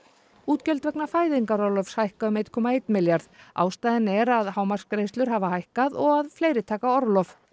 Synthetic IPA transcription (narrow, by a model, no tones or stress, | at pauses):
uːt̪cœlt̪vɛknafaːjðiŋkaɾɔlœfshajhkaʏmejt̪̚kʰɔːmaejt̪nmɪljaɾða̰ːwst̪ajðɪnɛɾaðhaːwmar̥skɾejst̪ʏɾɦaːvahajhkaðɔɣaðfleːjɾɪt̪ʰaːkaɔɾlɔf